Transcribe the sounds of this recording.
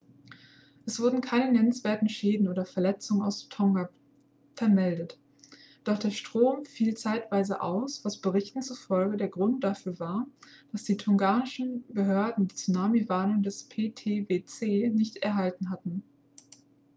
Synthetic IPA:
ʔɛsv̥ʊɐdn̩kʰaɪnənɛnənsv̥eːɐtn̩ʃeːdn̩ʔoːɾɐfɛɐlɛt͡sʊŋənaʊstʰɔŋɡa | fɛɐmɛldət | d̥ɔχd̥eːɐʃtʁ̥oːmfiːlt͡saɪtv̥aɪzəʔaʊsv̥asb̥əʁɪçtn̩t͡sufɔlɡədeːɐɡʁʊnt̚d̥afyːɐvaːɐd̥asd̥iːtʰɔŋɡaːnɪʃn̩bəɦøɐdn̩diːt͡sunaːmivaːnʊŋdɛspʰeːtʰeːveːt͡seːnɪçtɛɐɦaltn̩ɦatn̩

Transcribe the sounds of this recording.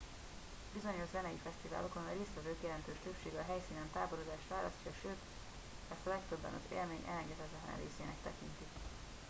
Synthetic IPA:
bizo̞ɲo̞ʃzɛnɛjifɛst̪iva̰ːlo̞ko̞nreːst̪ʋɛvøːkijɛlɛnt̪øːʃt̪øpʃeːɡɛːɦɛjsiːnɛnt̪aːboɾod̪aːʃt̪ʋaːlɒscɒʃøːt̪ | ɛst̪ɒlɛkt̪ø̞bːɛ̰nɒ̰zḛːlmeːɲʔɛ̰lɛŋɡɛt̪ɛt̪ɛt̪la̰ɾḛːseːnɛkt̪ɛkint̪i

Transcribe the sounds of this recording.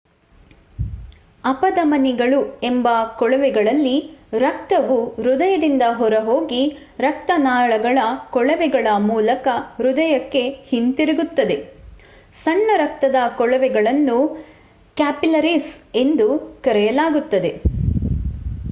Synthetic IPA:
ɐpɐd̪ɐmɐniɡɐɭue̞mbɐkɔɭɐʋɛɡɐɭɐlːiɾɐk̚t̪ɐʋuɾud̪ɐjɐd̪ind̪ɐɦɔɾɐɦoːɡi | ɾɐk̚t̪ɐnaːɭɐɡɐɭɐkɔɭɐʋɛɡɐɭɐmuːlɐkɐɾud̪ɐjɐkːe̞hint̪iɾiɡut̪ːɐd̪e̞ | sɐɳːɐɾɐk̚t̪ɐd̪ɐkɔɭɐʋɛɡɐɭɐnːu | kaːpilɐɾise̞nd̪ukɐɾɛjɐlaːɡut̪ːɐd̪e̞

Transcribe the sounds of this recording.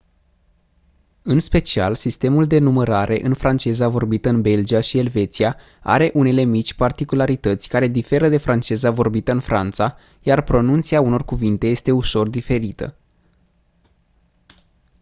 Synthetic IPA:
ɨnspe̞t͡ʃia̰lsist̪e̞muld̪e̞numəɾaɾʔe̞ʔɨnfɾant͡ʃe̞zavo̞rbit̪əɨnbe̞ld͡ʒiaʃie̞lve̞t̪sia | a̰ɾe̞ʔune̞le̞mit͡ʃʲpart̪ikulaɾit̪ət̪sʲkaɾe̞d̪ife̞ɾəd̪e̞fɾant͡ʃe̞zavo̞rbit̪əɨnfɾant̪sa | jarpɾo̞nunt̪siauno̞rkuvint̪e̞je̞st̪e̞uʃo̞rd̪ife̞ɾit̪ə̰

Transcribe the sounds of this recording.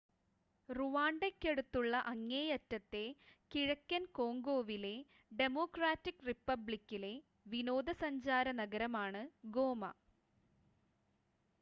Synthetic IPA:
ruʋaːɳɖekːe̞ɽut̪ːuɭːɐʔɐŋːeːjɐtːɐt̪ːe̞kiɻɐkʲːɐnko̞ːŋɡo̞ːʋile̞ | ɖe̞moːkraːtːikripːɐbɭikʲːile̞ | ʋino̞ːd̪ɐsɐɲd͡ʑaːɾɐnɐɡɐɾɐmaːɳɨɡo̞ːmɐ̰

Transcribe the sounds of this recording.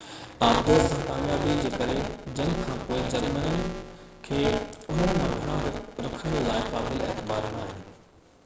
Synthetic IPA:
aːmd̪eːsãːkaːmjaːbid͡ʑeːkɐɾed͡ʑɐnkʰãːpoːɪd͡ʑɐlmənənɪ̆kʰeːʊn̤ənɪ̆mãɡʱɐɽ̃ãɾɐkʰə̃ɽlaːɪpaːblieːt̪ɪbaːɾnaːɦɪn

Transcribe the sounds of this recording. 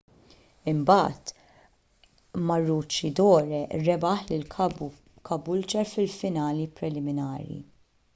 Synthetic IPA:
ɪmbɐːt̪ | mɐrːuːt͡ʃːid̪ɔːɾɛɾɛbɐħlɪl | kɐbʊlt͡ʃɛɾfɪlfɪnɐːlipɾɛlɪmɪnɐːɾjḭ

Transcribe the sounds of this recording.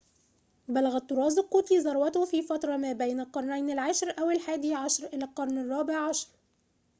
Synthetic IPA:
bælæɣæt̪ˤːʊɾˤɑːzɪlqːut̪liːzˤɑɾˤwæt̪ʊhfiːfɑt̪ɾˤɑmæːbæjnalqɑɾˤnæjnɪlʕaʃɾʔæwɪlħaːd̪iːʕɑʃɾˤʔɪlæːlqɑɾˤnɪrˤːɑːbeʕʕɑʃɾˤ

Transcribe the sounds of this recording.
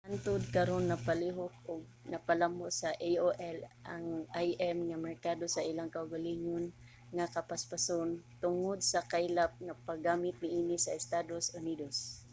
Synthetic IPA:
ant̪ʊd̪̚kɐɾonːɐpaliɦʊk̚ʊɡ̚nɐpalambosaʔejoʔɛlʔa̰ŋajʔɛmŋamɛɹkad̪osaʔɪlaŋkaʊɡalɪɲʊn | ŋakapaspasʊnt̪ʊŋod̪̚sakajlap̚ŋapaɡaːmɪt̪̚nɪʔiːnɪsaɪst̪ad̪osʊnid̪os

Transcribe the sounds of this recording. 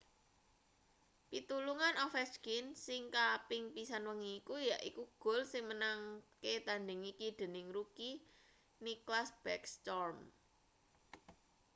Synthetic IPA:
pit̪uluŋanɔfɛskinsɪŋkapɪŋpisanwəŋiːkujaʔḭkuɡ̥o̤lsɪŋmənaŋket̪andɪŋikid̪̥e̤nɪŋruki | niklasb̥ɛkst̪ɔrm

